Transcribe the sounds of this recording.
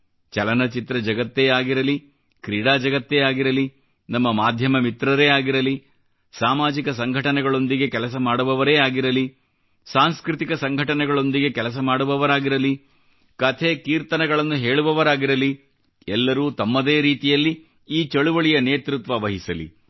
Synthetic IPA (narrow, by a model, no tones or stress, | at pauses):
t͡ʃɐlɐnɐt͡ʃit̪ɾɐd͡ʒɐɡɐt̪ːejaːɡiɾɐli | kɾiːɽaːd͡ʒɐɡɐt̪ːejaːɡiɾɐli | nɐmːɐmaːd̪ʱjɐmɐmit̪ɾɐɾeːaːɡiɾɐli | saːmaːd͡ʒikɐsɐŋɡʱɐʈɐnɛɡɐɭo̞nd̪iɡe̞kɛlɐs̬ɐmaːɽuʋɐʋɐɾeːaːɡiɾɐli | saːŋskɾit̪ikɐsɐŋɡʱɐʈɐnɛɡɐɭo̞nd̪iɡekɛlɐs̬ɐmaːɽuʋɐʋɐɾaːɡiɾɐli | kɐt̪ʰeːkiːɾt̪ɐnɛɡɐɭɐnːuɦe̞ːɭuʋɐʋɐɾaːɡiɾɐli | ɛlːɐɾuːt̪ɐmːɐd̪eːɾiːt̪ijɐlːi | iːt͡ʃɐɭuʋɐɭijɐneːt̪ɾut̪ʋɐʋɐɦisɐlḭ